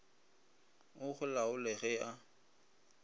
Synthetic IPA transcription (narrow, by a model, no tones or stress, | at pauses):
ʊχʊlaʊleɣɛa